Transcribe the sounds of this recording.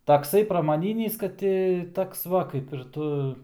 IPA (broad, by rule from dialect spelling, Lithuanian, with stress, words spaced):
tɐkˈsɐɪ prɐmɐˈnʲiːnʲiːs kɐt ˈtʲɪ ˈtoːks ˈʋɐ kɐɪp ɪr ˈtʊ